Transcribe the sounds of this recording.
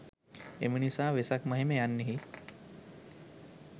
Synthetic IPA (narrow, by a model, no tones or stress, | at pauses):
ḛminisãʋesakməɦimejanːiɦi